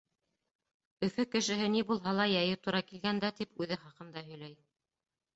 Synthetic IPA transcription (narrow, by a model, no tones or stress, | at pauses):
ɵ̆fɵkɘ̆ʃɘ̆ɦɘnibulˠɦɑlˠɑjɑjɤt̪uɾɑkilɡænd̪æt̪ipʉðɘχɑqɤ̆nd̪ɑɦɵ̆jl̪æj